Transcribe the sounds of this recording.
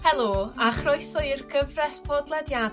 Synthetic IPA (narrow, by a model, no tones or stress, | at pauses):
hɛlˠoːaχrʊɨθɔɨrɡʰəvrɛsb̥odlˠɛdja